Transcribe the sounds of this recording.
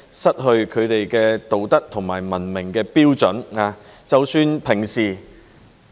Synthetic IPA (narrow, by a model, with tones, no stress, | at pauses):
sɐ˥t̚ɦɵ˧ɥkʰɵ˨˧ɥt̪e˨jkɛː˧t̪o˨˩wt̪ɐ˥k̚t̪ʰʊ˨˩ŋmaː˨˩jmɐ˨˩nmɪ˨˩ŋkɛː˧piː˥wt͡sɵ˨˥naː˨˧t͡sɐ˨wsyː˨˧npʰɪ˨˩ŋsiː˨˩